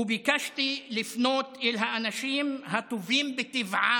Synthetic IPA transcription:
bɪkaʃt̪ilɪfnoːt̪ʔɪlɦaʔanaʃiːmhat̪uviːmbɪt̪ːɪvʕa

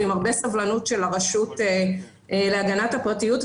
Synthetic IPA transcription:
imaʁbe̞savlanutʃelaʁaʃute | leaɡanathapʁatijut

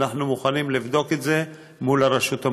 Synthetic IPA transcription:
naχnumuχanimlivd̪o̞ketze̞ | mulaɾeʃut̪a

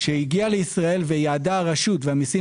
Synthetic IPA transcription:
ʃeiɡialeisʁae̞lvejaːd̪aʁaʃut̪veamisi

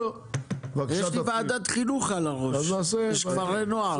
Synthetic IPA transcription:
vjeʃlivaːd̪at̪χinuχalaʁoʃnaseeʃkvaʁenoa

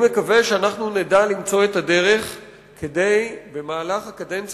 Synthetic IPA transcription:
mekave̞ʃeanaχnunedalimt͡so̞etade̞ʁe̞χ | kʰede̞jbe̞maːlaχhakadent͡s

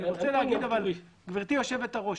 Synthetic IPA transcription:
ot͡seleaɡid̪aval | ɡviʁt̪ijo̞ʃevet̪aʁo̞

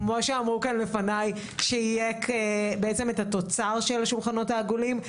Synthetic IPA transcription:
kmoʃeamʁukanle̞fanaj | ʃeijekebeet͡seme̞tat̪o̞t͡saʁʃelaʃulχano̞taːɡulim

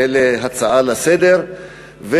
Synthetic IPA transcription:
eleɦat͡saʔalased̪eʁ | ve

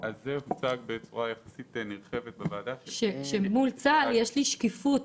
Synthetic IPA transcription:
azːehut͡saɡbet͡suʁajaχḁsit̪niʁχevet̪̚bevaːd̪aʃeʃemult͡saljeʃliʃkifut̪

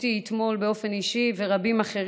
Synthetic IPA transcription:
tiːt̪mo̞lbeo̞fe̞niʃive̞ʁabimaχe̞ʁ

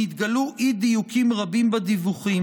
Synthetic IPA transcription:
it̪ɡaluʔid̪ijukʰimʁabimbad̪ivuχi

